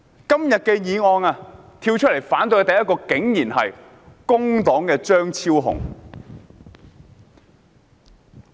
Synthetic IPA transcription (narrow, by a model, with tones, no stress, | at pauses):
kɐ˥mjɐ˨t̚kɛː˧jiː˨ŋɔː˧naː˧ | t̪ʰiː˧wt͡ʃʰt̚le˨˩jfaː˨˥nt̪ɵ˧ɥt̪ɐ˨jɐ˥tkɔː˧kɪ˨˥ŋjiː˨˩nɦɐ̰˨j | kʊ˥ŋt̪ɔː˨˥ŋkɛː˧t͡ʃœː˥ŋt͡sʰiː˥wɦʊ̰˨˩ŋ